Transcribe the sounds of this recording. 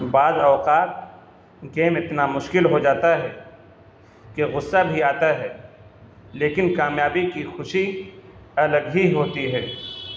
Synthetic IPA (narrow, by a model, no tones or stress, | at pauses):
baːzɔːqaːt̪̚ | ɡeːmɪt̪namʊʃkɪlɦod͡ʒaːt̪aɦɛ | keɣʊsːabʱiaːt̪aɦɛ | leːkɪnkaːmjaːbikixʊʃi | ɐləɡɦiɦoːt̪iɦɛː